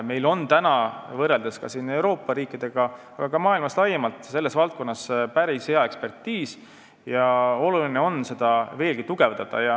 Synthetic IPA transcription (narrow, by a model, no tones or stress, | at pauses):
me̞jlo̞nt̪ænɑvɤrːeld̪eskɑ̰sine̞wɾo̞ːpːˑɑɾiːkid̪̥e̞ɡ̥ɑ | ɑɡ̥ɑkɑmɑːilmɑslɑjemɑlt̪ˑse̞lːe̞svɑlt̪̚ko̞nːɑspæɾishe̞ɑe̞kspe̞rt̪ːiːs | jɑo̞lulineo̞nse̞d̪̥ɑve̞ːlɡ̥it̪uɡ̥e̞vd̪ɑd̪̥ɑ̰jɑ